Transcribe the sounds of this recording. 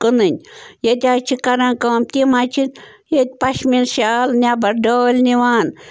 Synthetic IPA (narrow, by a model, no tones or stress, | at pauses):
kɨnɨnʲjet̪ʲat͡ʃʰikɐɾankɐmt̪ʲimat͡ʃʰin | jet̪̚ʲpɐʃminʃalnʲabɐɾɖoːlʲniʋaːn